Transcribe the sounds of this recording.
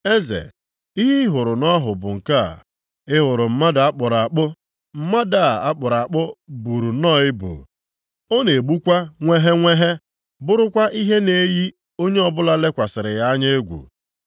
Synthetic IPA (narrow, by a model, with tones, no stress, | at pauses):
e˦zḛ˨ | i˦ɦi˦ɦʊ˨ɾʊ˨nɔ˦ɦʊ˨bʊ̰˨ŋ̩˨ka˦a̰˨ | ɪ˦ɦʊ˨ɾʊ˨m̩˦ma˦da˨a˦k͡pʊ˨ɾa˨a˨k͡pʊ˦ | m̩˦ma˦da˦˨a˦k͡pʊ˨ɾa˨a˨k͡pʊ˦bu˨ɾu˨nɔː˦˨ɪ˦bṵ˨ | o˦ne˨e˨ɡ͡bu˦kʷa˦ŋʷe˦ɦe˦ŋʷe˦ɦe˦ | bʊ˦ɾʊ˦kʷa˦ʔi˦ɦe˦ne˦ji˦ | o˦ɲe˦ɔ˦bʊ˦la˦le˦kʷa˨sɪ˨ɾɪ˨ja˦a˦ɲe˦ɡʷṵ˨